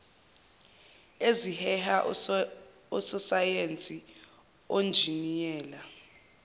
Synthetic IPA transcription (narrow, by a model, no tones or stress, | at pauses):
ezihɛhaʔ | ɔsɔsajent͡sʼi | ond͡ʒʱinijɛːla